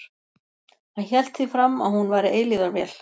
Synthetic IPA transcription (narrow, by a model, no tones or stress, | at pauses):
ançɛl̥t̪θifɾamaðhunvaːjɾɪʔeːjliðaɾvɛːl̥